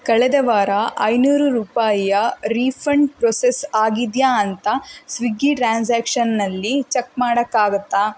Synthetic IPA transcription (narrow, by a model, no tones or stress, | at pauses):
kɐɭɛd̪ɐʋaːɾɐʔɐjnuːɾuɾuːpaːjijɐɾiːpʰɐɳɖpɾɔːsesaːɡid̪jaːɐnt̪ɐsʋiɡːiʈɾaːnsaːkʂɐnːɐlːit͡ʃekmaːɽɐkːaːɡut̪ːaː